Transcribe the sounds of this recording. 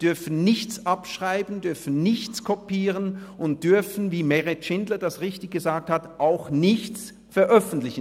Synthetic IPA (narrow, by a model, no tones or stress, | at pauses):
d̥ʏɐfn̩nɪçt͡sʔapʃʁ̥aɪbn̩dʏɐfn̩nɪçt͡skʰɔpiːʁənʔʊnt̚d̥ʏɐfn̩viːmɛʁɛtʃɪndlɐdasʁɪçtɪçɡ̥əzaːk̚thatʔaʊxnɪçt͡s | fɛɐʔœfn̩tlɪçən